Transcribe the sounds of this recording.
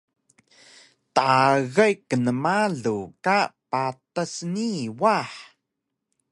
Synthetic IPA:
taɣajkːənəmaɮukapatəsniwaħ

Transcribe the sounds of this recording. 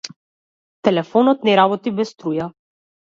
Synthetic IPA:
t̪ɛlɛfɔnɔt̪nɛɾabɔt̪ibɛst̪ɾuja

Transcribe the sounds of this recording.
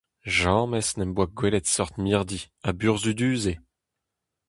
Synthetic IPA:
ʒɑ̃ːmɛsnɛmbwaɡwɛlɛt̪sɔʁt̪miʁd̪i | abyʁzyd̪yːze

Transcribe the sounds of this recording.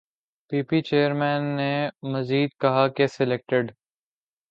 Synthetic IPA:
piːpit͡ʃeːəɾmɛ̃ːnːemɐziːd̪̚kɐɦakesɪleːk̚ʈɪɖ

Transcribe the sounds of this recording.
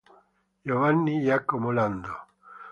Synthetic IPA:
jovanːijakːɔmoland̪o

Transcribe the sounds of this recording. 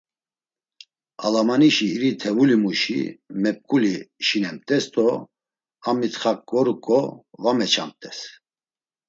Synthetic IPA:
a̰lamaniʃiːɾit̪ʰɛvulimuʃḭmɛp̚kʼuliʃinɛmt̪ʼɛst̪ʼɔ | amit̪χakʼːɔɾukʼɔvamɛt͡ʃʰa̰m̚t̪ʼɛs

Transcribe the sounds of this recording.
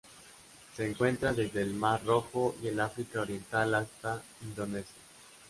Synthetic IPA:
se̞ːŋkwe̞nt̪ɾaðe̞zðeːlmaro̞xoie̞lafɾikaoɾje̞nt̪alast̪a | ind̪o̞ne̞sja

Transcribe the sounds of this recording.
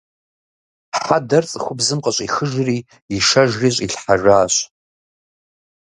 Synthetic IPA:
ħadart͡sʼχʷʊbzɨmqʼat͡ʃʷʼiχəʒri | iʂaʒriɕʷʼiɬħaʐaːɕʷʼ

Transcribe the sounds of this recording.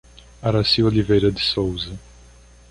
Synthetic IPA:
aɾasiwolivejɾɐd̪ɪsowzɐ

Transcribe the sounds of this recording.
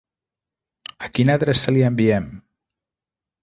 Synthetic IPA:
əkinəðɾɛsəliəmbiɛm

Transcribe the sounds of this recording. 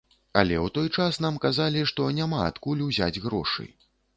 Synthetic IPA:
ɐ̰lʲɛwt̪ɔjt͡ʂasnamkazalʲiʂt̪ɔnʲamaa̰t̪kulʲuzʲad͡zʲɣɾɔ̰ʂɨ̰j

